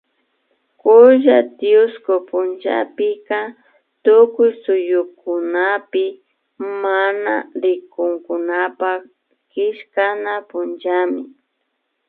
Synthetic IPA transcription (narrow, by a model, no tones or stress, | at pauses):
kʊʒat̪jʊskopʊnt͡ʃa̰pɪka | t̪ʊkʊjsʊjʊkʊnapɪ | mana̰ɾɪkʊŋkʊnapa | kɪʃkanapʊnt͡ʃamɪ